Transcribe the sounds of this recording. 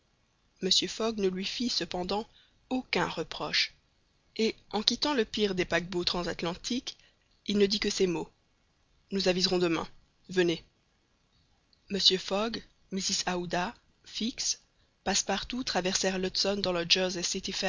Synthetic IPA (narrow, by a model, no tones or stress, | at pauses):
məsjøfɔɡnəlɥifisəpɑ̃d̪ɑ̃ | okɛ̃ʁəpχɔʃ | eɑ̃kʲit̪ɑ̃ləpiʁd̪epak̚bot̪χɑ̃zat̪lɑ̃t̪ʰik | ilnəd̪ikəsemo | nuzavizʁɔ̃d̪əmɛ̰̃ | vəne | məsjøfɔɡ | misisaud̪a | fiks | paspaʁt̪ut̪χavɛʁsɛʁlɔt̪sɔnd̪ɑ̃ləʒɔzesit̪ifɛ